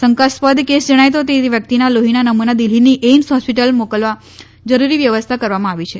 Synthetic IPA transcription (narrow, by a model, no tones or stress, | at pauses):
səŋkaspəd̪ʱkesd͡ʒəɽ̃ajt̪̬ot̪eʋjək̚t̪inaloɦinanəmunad̪il̤iniʔensɦɔspiʈəlmokəlʋa | d͡ʒəɾuɾiʋjəʋəst̪ʰakəɾʋamãaʋit͡ʃʰe